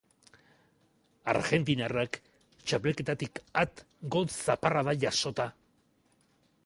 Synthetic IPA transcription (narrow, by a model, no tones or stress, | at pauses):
a̰ɾɣe̞nt̪inarak | t͡ʃapeeke̞t̪at̪ikat̪ | ɡotsaparaðaʝaso̞t̪a